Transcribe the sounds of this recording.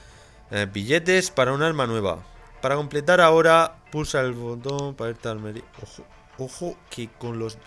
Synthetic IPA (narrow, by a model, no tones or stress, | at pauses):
biʎe̞t̪̬e̞spaɾaunaɾmanwe̞β̞a̰paɾako̞mple̞t̪̬aɾao̞ɾapusaelβot̪o̞mpaβeɾt̪almeɾio | oxokeko̞nlo̞z